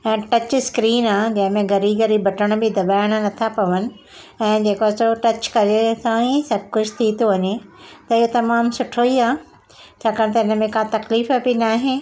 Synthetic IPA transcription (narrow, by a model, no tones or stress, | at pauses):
ɛ̃ːʈɐt͡ɕskɾiːnaːɦd͡ʑɐ̃ɦɪ̃mẽɡɐɾiːbɡɐɾibʱɐʈʰəɽ̃bɪd̪ɐbaːɪɽ̃̆nɐt̪ʰapɐʋənɪ̆ | ɛ̃ːd͡ʑeːkaːsoʈɐt͡ɕkɐɾesãĩsɐb̚ʱkʊd͡ʑʰʱt̪ʰit̪ʰoʋɐɲet̪ɐɪɦot̪ɐmaːmsʊʈʰoiaː | t͡ɕʰaːkaːɽ̃t̪̬ɐɪnə̆mẽkãt̪ɐkliːfəbinaːɦe